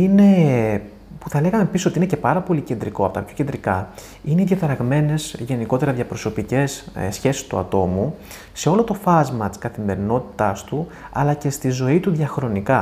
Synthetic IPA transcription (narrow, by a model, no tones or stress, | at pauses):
ine̞ | puθɐle̞ɣɐme̞pissot̪ine̞ce̞pɐɾɐpo̞lice̞nd̪ɾiko̞ɐpot̪ɐpço̞cend̪ɾikɐ | ineiðʝɐθɐɾɐɣme̞ne̞sʝe̞niko̞t̪e̞ɾɐðʝɐpɾo̞so̞pice̞ssçe̞si̥st̪uɐ̰t̪o̞mu | se̞o̞lo̞t̪o̞fɐzmɐt̪iskɐθime̞ɾino̞t̪i̥t̪ɐst̪uɐ̰lɐce̞st̪izo̞it̪uðʝɐxɾo̞nikɐ